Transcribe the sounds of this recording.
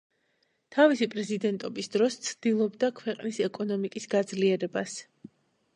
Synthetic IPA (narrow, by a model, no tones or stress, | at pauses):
t̪ʰavisipʼɾɛzid̪ɛnt̪ʼɔbisd̪ɾɔst̪sʰd̪̥ilˠɔbd̪akʰwɛqʼnisɛkʼɔnɔmikʼisɡad̪zliɛɾɛbas